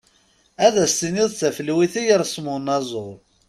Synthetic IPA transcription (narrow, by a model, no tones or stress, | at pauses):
æðæst̪inɪðˤθæfəlwiθæjəɾˤsmʊnɑzˤʊʁˤ